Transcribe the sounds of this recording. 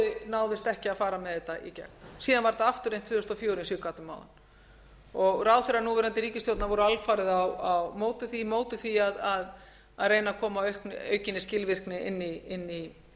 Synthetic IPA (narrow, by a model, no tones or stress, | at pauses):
ɪnaːwðɪst̪ɛhcɪaðfaːɾamɛðɛt̪aʔḭcɛ̰k̚nsiːðanvaɾt̪aaft̪ʏɾejm̥t̪fʏːðʏst̪ɔfjoːwɾɪnsʏkaːt̪ʏmːaːwða̰n | ɔɣraːwθeɾanuvɛɾɛnt̪ɪɾiːcɪst̪jowt̪navɔɾʏalfaːɾɪðawawmoːwt̪ɪθimoːwt̪ɪθiaðað | aðreːjnakʰɔːmaœɥhknœ̰ːɥcɪnːɪscɪlvɪr̥knɪʔɪ̰nːiɪnːi